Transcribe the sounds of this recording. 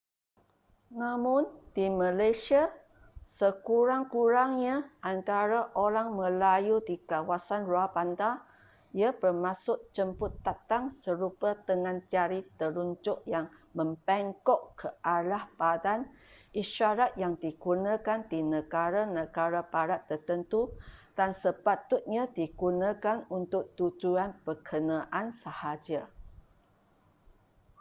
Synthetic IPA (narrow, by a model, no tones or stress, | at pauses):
nãmʊndiməlajʃia | səkuɾaŋkuɾaŋɲaʔant̪aɾaʔoɾaŋməlajudikawasanruahbant̪a | iəbərmasʊʔt͡ʃəmpʊt̪ːat̪aŋsəɾupət̪əŋãnt͡ʃaɾit̪əɾuɲd͡ʒʊʔjaŋmə̃mpɛŋkɔʔkəʔalahbadanʔiʃaɾat̪̚jaŋdiɡunãkandinəɡaɾanəɡaɾabaɾat̪ːərt̪ənt̪ud̥ansəpat̪ʊt̪̚ɲadiɡunãkanunt̪ʊk̚t̪ud͡ʒuanpəkʰənãʔansəhad͡ʒa